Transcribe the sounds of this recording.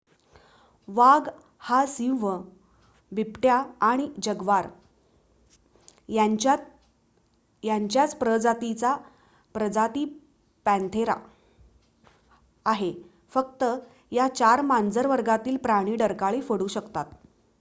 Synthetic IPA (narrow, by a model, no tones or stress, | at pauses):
ʋaɡ | hasĩʋə | bipʈjaːɽ̃id͡ʑəɡʋaɾ | aa | jaɲt͡ɕjat͡spɾəd͡zat̪it͡sa | pɾəd͡zat̪iː | pæ̃nt̪ʰeɾa̰ | aɦe | fək̚t̪ə | jat͡ɕaɾmand͡zəɾʋəɾɡat̪iːlpɾaɽ̃iːɖəɾkaɭiːfəɽuːɕəkt̪at̪